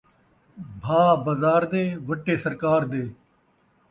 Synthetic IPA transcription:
bʱaːbɐzaːɾd̪eːʋəʈːeːsɐɾkaːɾd̪eː

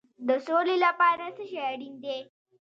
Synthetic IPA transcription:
d̪əsolelapɑɾasəʃajaɽind̪e

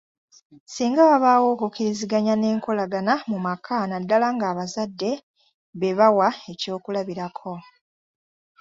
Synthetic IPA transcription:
siːŋɡaβaβaːwo̞ːkukiɾiziɡaɲane̞ːŋko̞laɡanamumakʰanadːalaŋɡaːβazadːe̞ | βe̞βawae̞co̞ːkulaβiɾakʰo̞

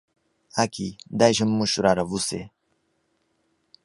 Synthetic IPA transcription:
akid̪ajɕəmːuɕuɾaɾavusḛ

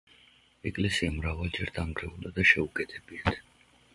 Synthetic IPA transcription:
ɛkʼlɛsiamɾavalˠd͡ʒɛɾd̪amɡɾɛulˠd̪ad̪aʃɛukʼɛt̪ʰɛbiat̪ʰ

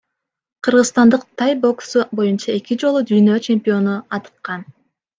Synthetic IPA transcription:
qʰɯɾʁɯzst̪ɑnd̪ɯq̚t̪ʰɑjbo̞ksubo̞junt͡ʃɑe̞kid͡ʒo̞lˠud̪yjnøːt͡ʃe̞mʲpʲio̞nuɑt̪ɯ̥qːɑn

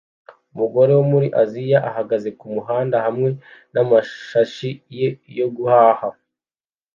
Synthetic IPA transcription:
umuɡo̞ɾe̞womuɾiʔazijaʔaɦaɡaze̞kumuɦaːndahamŋe̞namaʃaʃijejo̞ɡuhaːha

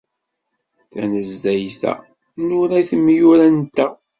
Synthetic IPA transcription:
θænəzːæjθæ̰ | nʊɾæθəmːjʊɾænt̪ːæ

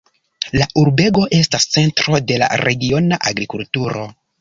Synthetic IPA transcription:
laʔuɾbe̞ɡo̞ʔe̞stast͡se̞ntɾo̞de̞la̰ɾʔe̞ɡio̞naʔaɡɾikultuɾo̞

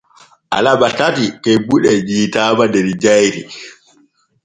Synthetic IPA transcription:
ʔa̰laɓatatikɛbuɗɛd͡ʒiːtaːbadɛɾd͡ʒajɾi

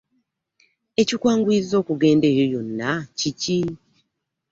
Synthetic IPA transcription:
e̞cikwaːŋɡwiːzo̞ːkuɡe̞ːnde̞ːɾojo̞nːacici

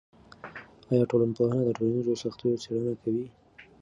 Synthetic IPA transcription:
ɑjɑʈolanpohanad̪əʈolanizosaxt̪ejot͡seɽənakʰawi

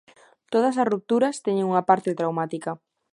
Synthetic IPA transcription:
t̪oð̞ɐsɐsrup̚t̪uɾɐst̪eɲeŋuŋapaɾt̪ɪt̪ɾawmat̪ika

